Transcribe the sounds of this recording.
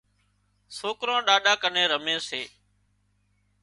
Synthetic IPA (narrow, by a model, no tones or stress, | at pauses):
soːkɾãːɗaːɗaːkənẽːɾəmẽːseː